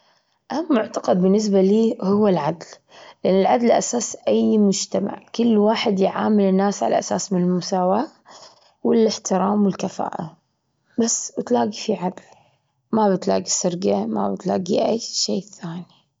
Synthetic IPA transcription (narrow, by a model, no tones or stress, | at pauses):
ʔamːʊʕt̪aqɑd̪̚bɪnːɪs̬baliːhʊwːalʕad̪l | lɪʔanːɪlʕad̪lʔa̰saːsʔajmʊd͡ʒt̪ama̰ʕkɪlːwaːħɪd̪jʕa̰ːmɪlɪnːaːsʕala̰ʔasaːsmɪnɪlmʊsaːwaː | wɪlɪħt̪ɪɾaːmwɪlkafa̰ːʔa | basbɪt̪laːɡifiʕad̪l | mabɪt̪la̰ːɡisɪɾɡama̰bɪt̪la̰ːɡiʔajːʃeːθaːni